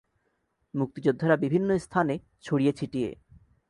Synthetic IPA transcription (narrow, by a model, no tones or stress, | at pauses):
muk̚t̪id͡ʑod̪ʱːoɾabibʱinːoest̪ʰane | t͡ɕʰoɽijet͡ɕʰiʈijḛ